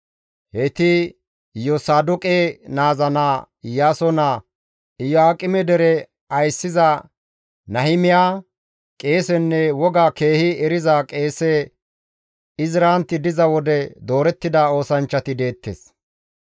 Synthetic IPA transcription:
hɛt̪ɪ | jɔsaːd̪ʊkʼeːnaːzɐnaː | ɪjaːsɔna | ɪjɔaːkʼɪmɛd̪ɛɾɛ | ɐjsːɪzɐ | nɐhɪmɪjaː | kʼe̞ːsɛnːɛwɔɡaːke̞ːhɪɛɾɪzakʼe̞ːsɛ | ɪzɾaːnt̪ːɪd̪ɪzɐwɔd̪ɛd̪o̞ːɾɛt̪ːɪd̪ao̞ːsɐnt͡ʃːɐt̪ɪd̪e̞ːt̪ːḛːs

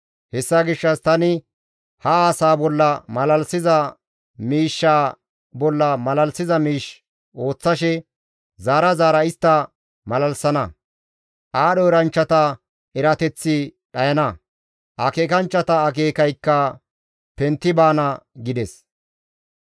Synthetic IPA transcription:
hɛsːaɡɪʃːɐst̪ɐnɪ | hɐaːsaːbɔlːɐmɐlɐlsɪzɐ | miːʃːaː | bɔlːɐmɐlɐlsɪzɐmiːʃ | ʔo̞ːt͡sːɐʃɛ | zaːɾɐzaːɾɐɪst̪ːɐ | mɐlɐlsɐnɐ | ʔaːɗɔɛɾɐnt͡ʃːɐt̪ɐ | ɛɾɐt̪ɛt͡sːɪɗɐjɐnɐ | ʔɐkeːkɐnt͡ʃːɐt̪ɐːk̬eːkɐjkːɐ | pɛnt̪ːɪbaːnɐɡɪd̪ɛs

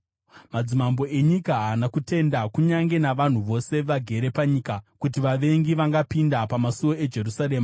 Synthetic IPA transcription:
mad͡zimambo̞e̞ɲikaɦanakute̞ndakuɲaŋɡe̞naʋan̤uʋo̞se̞ʋaɡʱe̞ɾepaɲikakutiʋaʋe̞ŋɡiʋaŋɡapindapamasuwo̞e̞d͡ʒe̞rusaɾe̞ːma

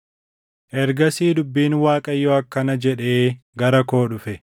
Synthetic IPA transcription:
ʔɛɾɡɐsiːd̪ʊbːiːnwaːkʼɐjːɔɐkːɐnɐd͡ʒɛᶑeːɡɐɾɐko̞ːᶑʊfɛ

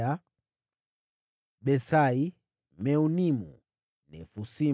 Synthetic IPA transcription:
a | ɓɛsai | mɛunimṵ | nɛ̰fusi

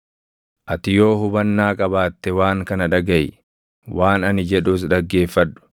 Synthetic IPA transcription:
ʔɐt̪ɪjo̞ːɦʊbɐnːaːkʼɐbaːt̪ːɛwaːŋkɐnɐᶑɐɡɐj | wʔaːnɐnɪd͡ʒɛᶑʊs̬ᶑɐɡːe̞ːfːɐᶑʊ̥

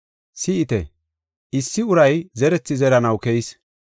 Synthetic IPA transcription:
sɪɪt̪ɛ̰ | ʔɪsːɪʊɾɐjzɛɾɛt͡sːɪzɛɾɐnɐwkɛjɪs

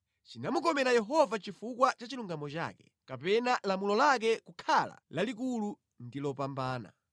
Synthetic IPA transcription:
t͡ʃinamukɔmɛɾajɛɦɔvat͡ʃifukwat͡ʃat͡ʃiluŋɡamɔt͡ʃa̰ːkɛ̥̰ | kapɛnalamulɔlak̬ɛkukʰala̰lalik̬ulu | ndilɔpambaːna̰

